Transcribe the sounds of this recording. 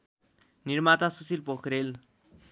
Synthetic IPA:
nirmat̪asusilpokʰɾel

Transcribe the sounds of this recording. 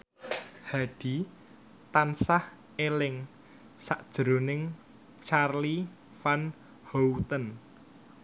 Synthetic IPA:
haɖ̥i̤ | t̪ansah | elɪŋ | saʔd̥ʒ̥ɾonɪŋ | t͡ʃarli | fan | howt̪ən

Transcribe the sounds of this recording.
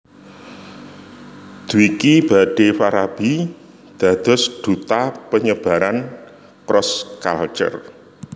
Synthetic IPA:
d̪̥uikib̥a̤ɖ̥efaɾab̥i | d̪̥a̤d̪̥ɔ̤sd̪̥ṳt̪apəɲəb̥a̤ɾan | kɾɔska̰lt͡ʃə̰r

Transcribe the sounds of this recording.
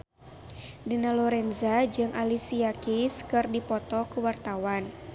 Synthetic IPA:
dinalɔɾɛnzad͡ʒɨŋʔalisiakiskɨrdipɔt̪ɔkuwart̪awan

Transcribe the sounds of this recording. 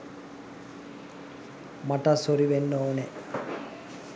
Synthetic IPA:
maʈəsoɾiʋenːoːne

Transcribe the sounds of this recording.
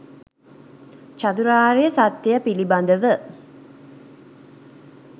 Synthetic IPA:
t͡ʃat̪uɾaːɾejəsat̪ːejəpiliband̪əʋə

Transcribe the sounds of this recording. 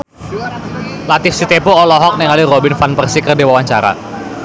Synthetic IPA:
lat̪ɪfsit̪epuɔlɔɦɔk̚nɛŋaliɾɔbɪnfanpərsikərdiwawaɲt͡ʃaɾa̰

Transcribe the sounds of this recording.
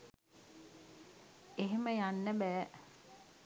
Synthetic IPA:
eɦeməjanːəbæː

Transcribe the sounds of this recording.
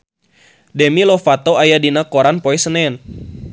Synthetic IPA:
dɛmilɔfat̪oajadinakoɾanpɔɛsənɛn

